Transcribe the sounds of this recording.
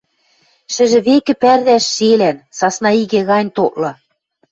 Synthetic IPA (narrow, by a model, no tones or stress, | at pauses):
ʃɘ̆ʒɘ̆βekɘ̆pærðæʃːelænsɑsnɑiɣĕɣɑnʲt̪oʔlɤ̆